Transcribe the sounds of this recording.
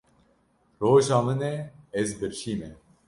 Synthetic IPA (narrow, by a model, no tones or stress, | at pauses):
roːʒɑːmɨnɛɛzbɨɾʃiːmɛ